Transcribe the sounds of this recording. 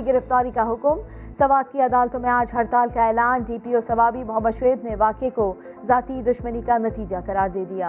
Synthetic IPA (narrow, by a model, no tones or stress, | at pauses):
ɡɪɾɪft̪aːɾikaɦʊkm | sɐʋaːt̪̚kiɐd̪aːlt̪õmẽaːd͡ʒɦɐɾt̪aːlkaɛːlaːnɖiːpiɔːsɐʋaːbimʊɦəmːəd̪ʃʋeːd̪nẽʋaːkeko | zaːt̪id̪ʊʃmənikanɐt̪iːd͡ʒakɐɾaːɾd̪eːd̪ijaː